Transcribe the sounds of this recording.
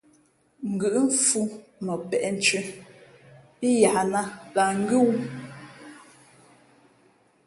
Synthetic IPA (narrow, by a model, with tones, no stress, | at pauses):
ŋ̩˨ɡʉ˨ʔm̩˦fu˦mə˨pɛ˨ʔɛ˨n̩˦t͡ʃɥi˦ | i˦ja˨na˦la˨ŋ̩˦ɡʉ˦wu˦